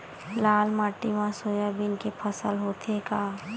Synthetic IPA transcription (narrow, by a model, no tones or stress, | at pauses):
laːlmaːʈːimãsoːjabʱɪnkepʰəsəlɦoːt̪ʰekaː